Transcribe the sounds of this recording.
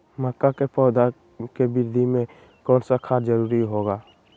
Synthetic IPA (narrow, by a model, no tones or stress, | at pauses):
məkːakepɔːd̪ʱa | kebɪɾd̪ʱimẽ | kɔːnsakʰad͡ʒəɾuːɾiɦoɡaː